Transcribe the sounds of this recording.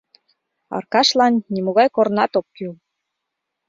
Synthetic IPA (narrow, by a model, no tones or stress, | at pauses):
ɑ̰rkɑʃlɑnːimoɣɑjkoɾnɑt̪op̚kyl